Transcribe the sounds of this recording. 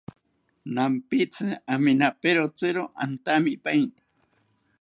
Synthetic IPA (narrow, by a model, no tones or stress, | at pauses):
nampit͡sɨaminapeɾot͡sɨɾoʔa̰nt̪amipajnḁ